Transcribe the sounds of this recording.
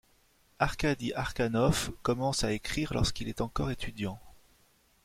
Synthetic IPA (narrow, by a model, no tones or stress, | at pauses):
aʁkad̪iʔaʁkanɔfkɔmɑ̃saekχiʁlɔ̰ʁskilɛt̪ɑ̃kɔʁet̪ʰyd̪jɑ̃